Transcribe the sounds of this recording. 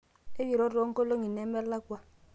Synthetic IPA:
e˦wi˨ɾo˦ɾo˦ŋ˦ko˦lo˦ŋi˨ne˨˦mɛ˦la˦kʷa˦

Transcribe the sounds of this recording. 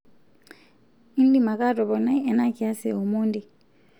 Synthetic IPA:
i˦n̩˦li˦˨ma˨kʼa˦tʼɔ˨bɔ˨na˦ɛ˨na˦kʼɪ˨a˦sɪ˨o˨muː˦ndi˨

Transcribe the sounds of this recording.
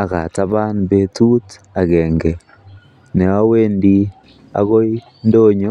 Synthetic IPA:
a˨ka̰˨ta˦ba˦nbe˦tu˦t | a˨ɡɛ˨ŋɡɛ˨ | nɛ˨wa˦we˦ndi˦ | a̰˦ɣo˦i˦ | ndo˦ɲo˦

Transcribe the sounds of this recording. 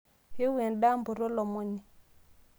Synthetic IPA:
he˦we˨nɗa˦mbu˨ɾo˦lɔ˨mo˦ɲi˨

